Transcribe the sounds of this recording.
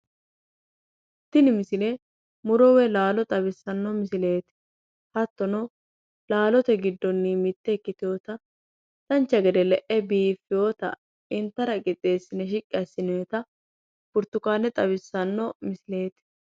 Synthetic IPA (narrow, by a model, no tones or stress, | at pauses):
ʔ | ɪt̪ːɪnɪmɪsɪlɛ | mʊɾɔwɛlaːlɔt̪ʼɐβɪsːɐnːɔmɪsɪle̞ːt̪ɪ̥ | hɐt̪ːɔnɔ | laːlɔt̪ɛɡɪd̪ːɔnːimɪt̪ːɛkːɪt̪ɪjoːt̪ɐ | t̪ɐnt͡ʃːɐɡɛd̪ɛlɛʔɛbiːfːɪjoːt̪ɐ̰ | ɪnt̪ːɐɾɐɡʼɪt̪ʼe̞ːsːɪnɛʃ̬ɪkʼːɪɐsːɪneːt̪ɐ | bʊɾt̪ːʊkaːnɛt̪ʼɐβɪsːɐnːɔmɪsɪle̞ːt̪ɪ̥